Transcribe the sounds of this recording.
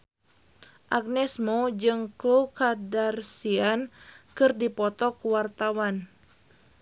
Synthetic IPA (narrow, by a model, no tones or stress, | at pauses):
ʔaɡ̚nɛsmod͡ʒɨŋklukadarsiankɨrdipɔt̪ɔkuwart̪awan